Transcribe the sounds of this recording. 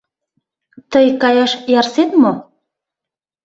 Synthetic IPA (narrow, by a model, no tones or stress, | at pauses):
t̪əjkɑjɑʃjɑrset̪mo